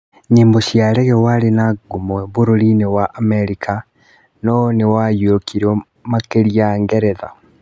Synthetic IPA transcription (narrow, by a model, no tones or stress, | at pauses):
ɲiːmboʃijaɾɛɣɛwaɾenaɡomwɛβoɾoɾinewaʔːmɛɾikʰa | nɔnewajokiɾo | makeɾijaŋɡɛɾɛða̰